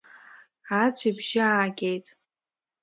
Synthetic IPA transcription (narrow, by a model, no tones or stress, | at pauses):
at͡sʷʰibʒɪaːɡʲʼejtʼ